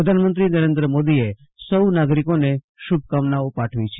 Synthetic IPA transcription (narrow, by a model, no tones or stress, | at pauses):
əd̪ʱanmənt̪ɾinəɾend̪ɾəmod̪ie | səunaɡɾikone | ʃub̚ʱkamnaopaʈʰʋit͡ʃʰe